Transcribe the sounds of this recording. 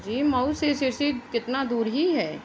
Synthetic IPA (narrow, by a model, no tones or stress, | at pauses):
d͡ʒiːmɐusesɪɾsikɪt̪nad̪uːɾɦiɦɛː